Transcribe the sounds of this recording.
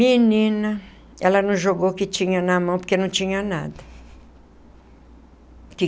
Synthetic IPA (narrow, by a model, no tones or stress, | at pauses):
mĩnĩnɐ | ɛlɐnɐ̃w̃ʒoɡowkɪt͡ʃĩɲɐnɐmɐ̃poɾkenɐ̃w̃t͡ʃĩɲɐna̰d̪ɐ | kɪ